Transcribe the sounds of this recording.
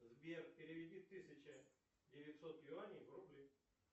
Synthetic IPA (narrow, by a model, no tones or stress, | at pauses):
zbʲerpʲɪɾʲɪvʲɪdʲit̪ːɨsʲɪt͡ɕɪ | dʲɪvʲɪtʲsot̪lʲɪanʲijvɾublʲi